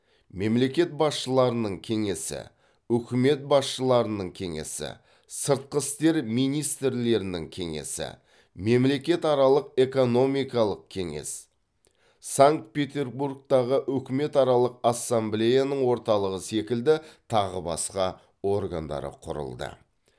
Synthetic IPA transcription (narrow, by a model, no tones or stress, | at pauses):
me̞mle̞kʲe̞t̪̚bɑsʃəlˠɑɾənəɴkʲʰe̞ŋe̞sɪ̰ | ʏkʲɪme̞t̪̚bɑsʃəlˠɑɾənəɴkʲʰe̞ŋe̞̰sɪ̰ | səɾt̪̚qəst̪e̞ɾmijnijst̪ɾle̞ɾɪnɪ̰ŋkʲʰe̞̰ŋe̞̰sɪ̰ | me̞mle̞kʲe̞t̪ɑɾɑlˠəqe̞ko̞no̞mijkɑlˠəq̚kʲʰe̞ŋe̞̰s | saŋk̚t̪̚pʲe̞t̪ʲe̞ɾburk̚t̪ɑʁəʔʏkʲɪme̞t̪ɑɾɑlˠəq̚asːamblʲejanəɴwo̞ɾt̪ɑlˠəʁəse̞kʲɪld̪ɪt̪ʰɑʁəbɑ̰sqɑ | o̞ɾɡand̪ɑ̰ɾə̰qʰʊ̰ɾə̰lˠd̪ə̰